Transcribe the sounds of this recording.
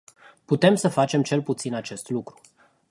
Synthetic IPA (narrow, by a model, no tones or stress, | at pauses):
put̪e̞msəfat͡ʃe̞mt͡ʃe̞lput̪sinat͡ʃe̞st̪lukɾu̥